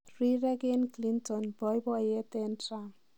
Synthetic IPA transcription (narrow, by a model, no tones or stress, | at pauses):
riɾeɡenklint̪ɔnbʱʌjbʌjet̪ena